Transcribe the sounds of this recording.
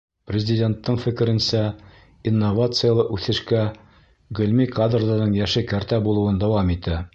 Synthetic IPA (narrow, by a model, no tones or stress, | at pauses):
prʲɪzʲɪdʲe̞nt̪ːɤɴfɘ̆kɘ̆ɾɘ̆nsæ | inːovat̪sɨjalˠɤʔʉθɘ̆ʃkæ | ɡɵ̆lʲmikad̪rd̪ɑnɤɴjæʃɘkæɾt̪æbulˠuwɤnd̪æwɑmit̪æ